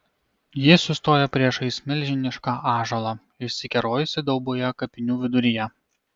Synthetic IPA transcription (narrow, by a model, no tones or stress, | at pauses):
jɪsʊst̪oːjɛpʲɾʲiɛʃɐɪsʲmʲɪlʲʒʲɪnʲɪʃkɑʔɑːʒɐlˠɑ | ɪʃʲsʲɪkʲɛɾoːjʊsʲɪd̪ɐʊbojɛkɐpʲɪnʲuːʋʲɪd̪ʊɾʲɪjɛ